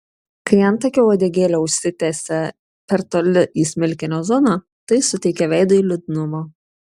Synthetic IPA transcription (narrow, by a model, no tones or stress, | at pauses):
kɐɪjɛnt̪ɐkʲoːoːd̪ʲeːɡʲeːlʲoːʊʃʲsʲɪt̪ʲeːsʲɛ | pʲɛɾt̪oːlʲɪʔiːsʲmʲɪlʲkʲɪnʲoːzɔnɐ | t̪ɐɪsʊt̪ʲɛɪkʲɛʋʲɛɪd̪ɐiːlʲʊd̪ʲnʊmoː